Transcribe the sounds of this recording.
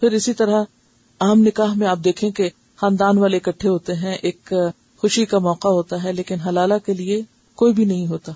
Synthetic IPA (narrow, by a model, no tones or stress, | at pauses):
pʰɪɾɪsit̪ɐɾa | aːəmnɪkaːɦmẽaːp̚d̪eːkʰẽke | xãːnd̪aːnʋaːleɪkɐʈʰːeɦoːt̪eɦɛ̃ʔeːk | xʊʃikamɔːqaɦoːt̪aɦɛleːkɪnɦɐlaːlakelie | koːibʱinɐɦĩɦoːt̪aː